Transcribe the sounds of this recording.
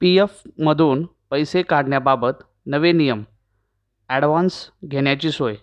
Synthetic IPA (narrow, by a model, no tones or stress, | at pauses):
piefməd̪ʱuːn | pəjsekaɽɳjababət̪ | nəʋenijəm | ɛɽʋansɡʱeɽ̃jat͡ɕiːsoj